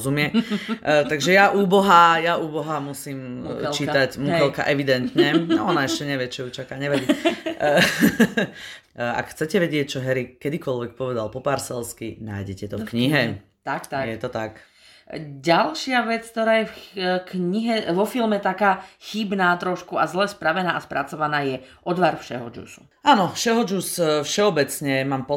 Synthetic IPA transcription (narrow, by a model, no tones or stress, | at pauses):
zumɪɛ | t̪aɡʒɛjaʔuːbɔɦajaʔuːbɔɦamusiːmlt͡ʃiːt̪acmukɛlka̰ʔɛʋid̪ɛnt̪ɲɛɔnaɛʃcɛɲɛʋɪɛt͡ʃɔjut͡ʃakaːɲɛʋaɟi | a̰kxt͡sɛcɛʋɛɟɪɛc̚t͡ʃɔɦɛɾikːɛd̪ikɔlʋɛk̚pɔʋɛd̪alpɔpaɾsɛlskina̰ːjɟɛcɛt̪ɔfkɲiɦɛ | t̪akt̪ajɛt̪ɔt̪ak | ɟalʃɪaʋɛt͡sk̚t̪ɔɾaːjɛfkɲiɦɛʋɔfilmɛt̪akaːxibnaːt̪ɾɔʃkuazlɛspɾaʋɛnaːʔaspɾat͡sɔʋanaːjɛʔɔd̪ʋaɾfʃɛɦɔ̰d͡ʒṵsṵ | aːnɔfʃɛɦɔd͡ʒusfʃɛɔbɛt͡sɲɛmaːmpɔ